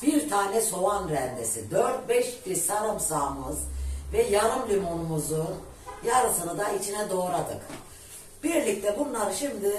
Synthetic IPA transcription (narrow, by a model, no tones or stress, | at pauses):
biɾt̪ʰaːnɛso̞vanɾɛnd̪esid̪øɾt̪̚bɛʃb̪isaɾɯmsaːmɯzvɛjaɾɯmlʲimonumuzu | jaɾɯsɯnɯd̪ait͡ʃʰinɛd̪o̞ːɾad̪ɯk | b̥iɾlʲic̚t̪ʰɛbunlˠaɾʃimd̪i